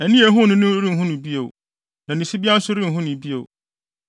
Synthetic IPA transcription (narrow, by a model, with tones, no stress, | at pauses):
æ˨nĩ˦æ˨˦ɦʊ̃˦nʊ̃˦nʊ̃˦ɾĩ˦˨ɦʊ̃˦nʊ̃˨bi˦e˨w | nã˨nĩ˨si˦bi˦a˦n̩˦sʊ˦ɾĩ˦˨ɦʊ̃˦nʊ̃˨bi˦o̰˨w